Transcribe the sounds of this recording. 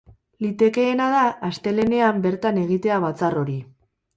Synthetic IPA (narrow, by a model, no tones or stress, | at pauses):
lit̪e̞ke̞ːnað̞aːst̪e̞le̞ne̞ambe̞ɾt̪ane̞ɣ̞it̪e̞aβ̞at͡saro̞ɾi